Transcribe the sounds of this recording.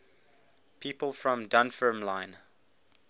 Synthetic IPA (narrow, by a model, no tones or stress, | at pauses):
pʰiːpəlˠfɹɔ̃mdãnfəmlãɪ̃n